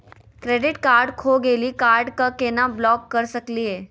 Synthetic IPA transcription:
kɾeːɖɪʈkaːɾɖkʰoːɡeːlikaːɾɖkakeːnablɔːkːɐɾsɐkliɦeː

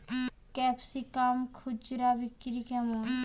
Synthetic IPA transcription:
kɛːpsikaːmkʰʊd͡ʒɾabɪkɾikɛmoːn

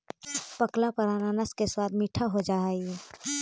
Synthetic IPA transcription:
pəklapəɾananaskeswaːd̪miʈʰaɦod͡ʒaɛi

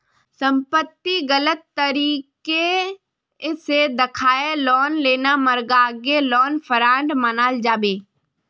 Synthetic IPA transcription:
sə̃mpət̪ːiɡələt̪ːəɾiːke | sed̪ɪkʰaːelɔːnleːnaməɾɡaɡelɔːnpʰəɾaːɳɖmənaːld͡ʒaːbeː

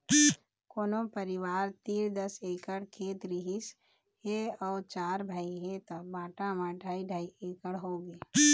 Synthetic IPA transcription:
koːnopəɾɪwaːɾt̪iːɾd̪əseːkəɽkʰeːt̪ɾiɦis | ɦeɔːt͡ʃaːɾbʱaːiɦet̪obaːʈamãɖʱaːiɖʱaːieːkəɽɦoːɡeː

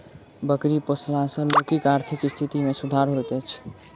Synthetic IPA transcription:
bəkɾipəslasə̃lokikaɾt̪ʰikist̪ʰit̪imesud̪ʱaɾɦot̪ət͡ʃʰ

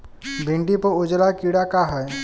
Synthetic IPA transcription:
bʱɪ̃ɳɖipəɾʊd͡ʒlakiɽakaɦɛː

